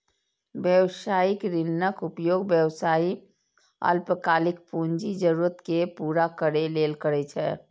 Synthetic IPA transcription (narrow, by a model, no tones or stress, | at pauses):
bjəwsaːɪkɾɪnːəkʊpjoːɡbjəwsaːi | ə̰lpəkaːlɪk̚pũɲd͡ʒid͡ʒəɾuːɾət̪kepuːɾakəɾeleːlkəɾɛt͡ʃʰɛː